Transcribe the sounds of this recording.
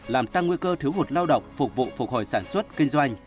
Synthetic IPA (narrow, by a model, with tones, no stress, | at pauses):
laː˨˩mt̪a˧ŋːwi˧kəː˧t̪ʰɨ˨˦wɦo˨˩t̚laː˧wɗə̰˧˨wŋ͡mfʊ˨˩k͡p̚k̚vṵ˧˨fʊ˨˩k̚ho˨˩jsaː˧˩nswə˦˥t̚kï˧ŋ̟zwa˧jŋ̟